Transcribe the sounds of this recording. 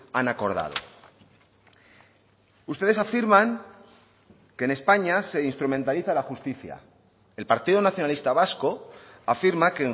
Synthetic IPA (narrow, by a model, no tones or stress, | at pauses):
anako̞ɾða̰ðo̞̰ | ust̪eðesafiɾmãŋ | ke̞ne̞spaɲase̞inst̪ɾumẽ̞nt̪aliθalaxust̪iθja̰ | elpaɾt̪iðonaθjo̞nalist̪aβasko̞ | afiɾmake